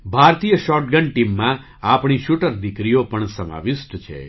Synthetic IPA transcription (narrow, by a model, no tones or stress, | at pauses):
bʱaɾt̪ijəʃɔɾʈɡəɳʈimːã | apɳ̃iʃuʈəɾd̪ikɾijopəɳsəma̰ʋɪʃʈt͡ʃʰḛ